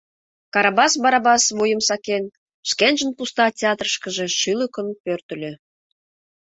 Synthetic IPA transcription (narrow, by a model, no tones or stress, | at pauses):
kɑɾɑbɑsbɑɾɑbɑsβojəmsɑken | ʃkenʒənpust̪ɑtʲeɑt̪rəʃkəʒeʃyləkənpørt̪ə̆lʲø